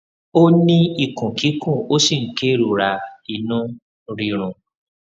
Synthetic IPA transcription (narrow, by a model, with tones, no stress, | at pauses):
o˦nĩ˦i˧˨kũ˨ki˨˦kɔ̃˦˨o˦si˦˨ŋ̩˦ke˦ɾu˨ɾa˧i˧˨nũ˦ | ɾi˨ɾ̃ũ˨